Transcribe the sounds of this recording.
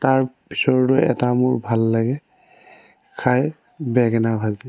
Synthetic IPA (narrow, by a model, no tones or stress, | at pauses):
taɹbisɔɹdɔjɛ̰tamʊ̰ɹbʱalːaɡɛ | kʰaj | bɛɡɛnabʱazi